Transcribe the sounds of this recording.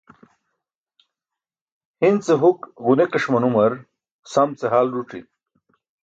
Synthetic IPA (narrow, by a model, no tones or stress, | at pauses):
hint͡seɦukɣunekɐʂmɐnumɐɾ | samt͡seɦaːlɾuʈ͡ʂḭ